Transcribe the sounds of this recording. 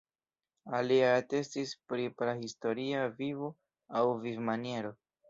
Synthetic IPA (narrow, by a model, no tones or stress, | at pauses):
aliate̞stispɾiplahisto̞ɾiavivo | awvivmanie̞ɾo̞